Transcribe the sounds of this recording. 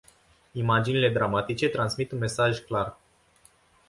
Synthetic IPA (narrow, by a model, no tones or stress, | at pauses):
imad͡ʒinile̞d̪ɾamat̪it͡ʃe̞t̪ɾansmit̪unme̞saʒʲklar